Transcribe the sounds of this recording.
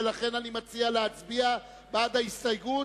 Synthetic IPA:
laχe̞nanimat͡sialeat͡sbia | baːdaistajɡu

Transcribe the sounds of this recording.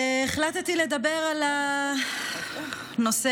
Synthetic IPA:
eχlat̪t̪iled̪abeʁala | no̞se

